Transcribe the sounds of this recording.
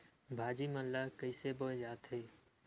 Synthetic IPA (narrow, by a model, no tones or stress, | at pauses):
bʱaːd͡ʒiməllakəiseboẽd͡ʒaːt̪ɦeː